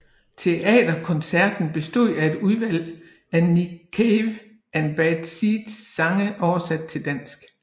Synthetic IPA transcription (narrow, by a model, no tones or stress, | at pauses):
t͡sʰe̝ʔɛ̰ːd̥ɐkʰɒ̽nsæɐd̥n̩b̥e̝sd̥o̝ð̰ˠæe̝d̥uðˠʋæl̰ | ænikʰeʋ | ʔænb̥æd̥sid̥sːɑ̈ŋəʔɒʊɐsæd̥̚t͡sʰe̝ld̥æn̰sɡ̥